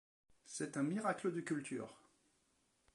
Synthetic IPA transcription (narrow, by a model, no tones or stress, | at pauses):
sɛt̪ɛ̃miʁakləd̪əkʲylt̪y̰ːʁ